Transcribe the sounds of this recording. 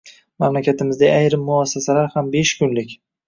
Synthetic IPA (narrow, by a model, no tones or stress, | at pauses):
mamlakʲʰat̪ʰɪmɪzd̪aajɾɪmːʊasːasalaɾhambe̞ʃkʰʊnlɪkʲ